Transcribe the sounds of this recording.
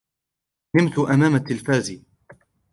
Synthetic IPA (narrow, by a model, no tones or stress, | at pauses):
nɪmt̪ʊʔamaːmat̪ːɪlfaːziː